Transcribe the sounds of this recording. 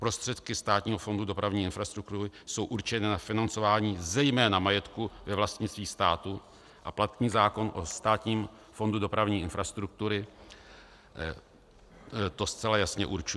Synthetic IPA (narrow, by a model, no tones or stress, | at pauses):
pɾo̞st̪r̝̥ɛt̪kɪst̪aːt̪ɲiːɦo̞fo̞ndudo̞pɾavɲiːɪnfɾast̪ɾukt̪uɾɪso̞wʔuɾt͡ʃɛnɪnafɪnant͡so̞vaːɲiːzɛjmɛːnamajɛt̪kuvɛvlast̪ɲɪt͡st̪viːst̪aːt̪u | ʔaplat̪ɲiːzaːko̞nʔost̪aːt̪ɲiːm | fo̞ndudo̞pɾavɲiːʔɪnfɾast̪ɾuk̚t̪uɾɪ | t̪o̞st͡sɛlajasɲɛʔuɾt͡ʃu